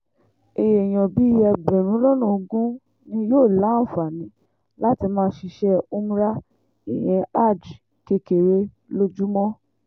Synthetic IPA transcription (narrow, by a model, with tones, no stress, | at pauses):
e˧je˨j̃ɔ̃˨bi˨˦jɛ˧˨ɡ͡bɛ˨ɾ̃ũ˨˦lɔ˦nũ˦˨o˧ɡũ˦ | nĩ˧˦joː˦˨la˨˦˨fa˨nĩ˨˦ | la˦ti˧mãː˦ʃi˧ʃɛ˦o˦mũ˦ɾa˦ | i˦˨j̃ɛ̃˧a˦˨d͡ʒ | ke˧ke˨ɾe˧ | lo˦d͡ʒu˦mɔ̃˦